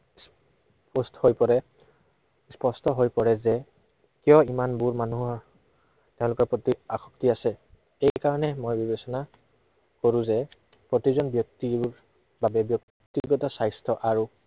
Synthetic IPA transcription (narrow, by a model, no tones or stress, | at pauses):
s | pɔstɔhojpɔɹɛ | spɔstɔɦojpɔɹɛzɛ | kijɔimanbuɹmanuɦɔ | teʊ̃lʊkɔɹpotiaxɔ̥ktiasɛ | ejkaɹɔnɛmojbibesɔna | koɹũzɛ | pɹotizɔnbjɔk̚tiɹ | babɛbjɔk | tiɡɔtɔsajstʰɔʔaɹu